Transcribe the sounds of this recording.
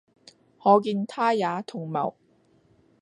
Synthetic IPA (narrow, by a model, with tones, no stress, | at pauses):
ŋɔː˨˧k̬iː˧nt̪ʰaː˥jaː˨˧t̪ʰʊ˨˩ŋmɐ̰˨˩w